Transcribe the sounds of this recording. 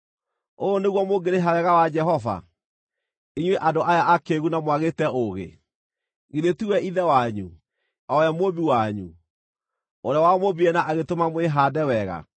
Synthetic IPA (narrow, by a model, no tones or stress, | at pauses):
ooneɣwɔmoɡeɾeɦawɛɣawad͡ʒɛɦɔva̰ | iɲweʔadoʔajaakeɣunamwaɣetɛoɣḛ | ɣeðetiwɛʔiðɛwaɲu | ɔjamobiwaɲu | oɾeawamobiɛnaʔaɣetomamweɦaːdɛwɛɣa̰